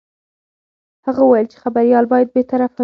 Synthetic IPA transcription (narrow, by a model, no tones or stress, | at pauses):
haɣawajəlt͡ʃe̥xabaɾijɑlbɑjad̪̚bet̪aɾafa